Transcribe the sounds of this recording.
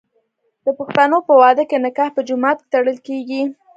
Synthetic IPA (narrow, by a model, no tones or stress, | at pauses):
d̪̥əpaxt̪anopəwɑd̪əkenɪkɑhpəd͡ʒʊmɑt̪̚kt̪aɽəlkeɡi